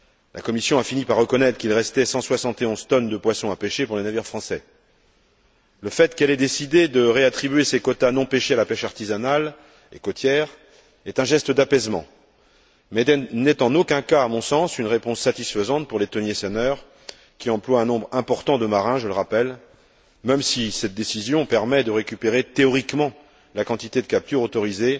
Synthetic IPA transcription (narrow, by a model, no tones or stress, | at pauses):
lʔa̰kɔmisjɔ̃afinipaʁːəkɔnɛt̪χə̥kilʁɛst̪ɛsɑ̃swasɑ̃t̪eɔ̃zt̪ɔnd̪əpwasɔ̃apeʃepuʁlenaviʁfχɑ̃sɛ | ləfɛt̪kɛlɛd̪esid̪ed̪əʁeat̪χibɥesekɔt̪anɔ̃peʃealapɛʃaʁt̪izanal | ḛkot̪jɛʁ | ɛt̪ɛ̃ʒɛst̪əd̪apɛzmɑ̰̃ | mɛnɛt̪ɑ̃nokʲɛ̃kaːmɔ̃sɑ̃synʁepɔ̃sːat̪isfəzɑ̃t̪̚puʁlet̪ɔnjesɛnœʁ | kʲiɑ̃plwaɛ̃nɔ̃bʁɛ̃pɔʁt̪ɑ̃d̪əmaʁɛ̃ʒələʁapɛl | mɛmsisɛt̪̚d̪esizjɔ̃pɛʁmɛd̪əʁekʲypeʁet̪eɔʁikmɑ̃ | lakɑ̃t̪it̪ed̪əkap̚t̪yʁot̪ɔʁize